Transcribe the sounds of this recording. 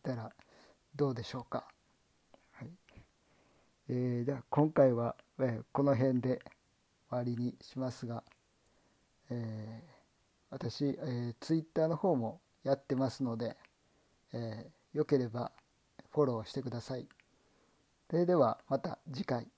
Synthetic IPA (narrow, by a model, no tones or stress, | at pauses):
t̪aɾa | d̪o̞ːd̪e̞ɕo̞ːka | hai | eːd͡ʑaːkõ̞ŋkaiβaeko̞no̞ɦẽ̞nd̪e̞ | βaɾʲiɲ̟iɕimasɨɡa | eː | βat̪aɕiet͡sɨit̪ːaːno̞ho̞ːmo̞ | jat̪ːe̞masɨno̞d̪e̞ | jo̞ke̞ɾe̞ba | ɸo̞ɾo̞ːɕi̥t̪e̞kɯ̟d̪asai | soɾed̪e̞βamat̪a̰d͡ʑikai